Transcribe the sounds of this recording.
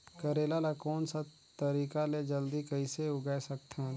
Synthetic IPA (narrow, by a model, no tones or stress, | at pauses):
kəɾeːlalakɔːnsa | t̪əɾiːkaled͡ʒəld̪ikəɪseʊɡɛsəkt̪ʰɛ